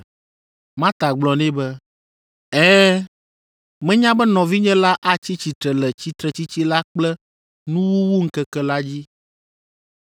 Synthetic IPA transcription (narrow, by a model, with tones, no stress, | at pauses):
mã˦t̪a˨ɡ͡blɔ̃˨nɛ̃˦bɛ˦ | ɛ̃˦ | mɛ̃˦ɲã˦bɛ˦nɔ̃˨vi˦ɲɛ̃˦la˦ʔa˦t͡ɕi˦t͡ɕi˨t̪ɾɛ˨lɛ˨t͡ɕi˦t̪ɾɛ˨t͡ɕi˦t͡ɕi˦la˦k͡plɛ˦ | nũ˦wu˦wu˦ŋ̩˦kɛ˦kɛ˦la˦d͡ʑi˦